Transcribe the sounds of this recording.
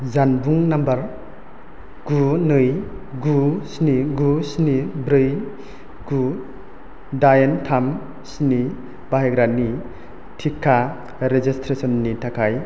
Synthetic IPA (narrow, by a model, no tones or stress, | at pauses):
zanbuŋnambɐɾ | ɡ̥unɯjɡusniɡusnibɾɯj | ɡ̥u | dajentʰam | sni | baɦeɡɾanːi | tʰikʰːa | ɾezistʰɾesɔnːitʰakʰaj